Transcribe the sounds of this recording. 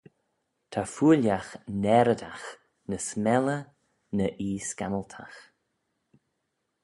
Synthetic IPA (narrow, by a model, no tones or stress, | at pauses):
t̪ʰafuːljaxnɛɾəd̪ax | nəsmɛlə | nəʔiːskaməlt̪ʰa̰x